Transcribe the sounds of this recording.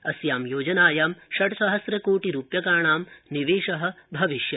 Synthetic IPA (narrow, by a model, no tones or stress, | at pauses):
ɐsjaːmjoːd͡ʒɐnaːjaːmʃɐʈɐsɐɦɐsɾɐkoːʈiɾuːpjɐkaːɳaːmniʋeːʃɐɦɐ̆bʱɐʋiʃjɐ